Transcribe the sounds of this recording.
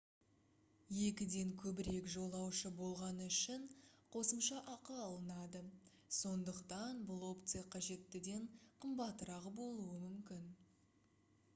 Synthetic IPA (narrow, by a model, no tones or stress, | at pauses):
je̞kʲɪd̪e̞ŋkʲʰɵbɪɾe̞kʒo̞lˠɑwʃəbo̞lˠʁɑnəʏʃɪɴqʰo̞səmʃɑʔɑqəɑlˠənɑd̪ə | so̞nd̪əqt̪ɑnbʊlˠo̞pt̪sɨjaqʰɑʒe̞t̪ːɪd̪e̞ɴqʰəmbɑt̪ːəɾɑʁəbo̞lˠuəmʏmkʲɪn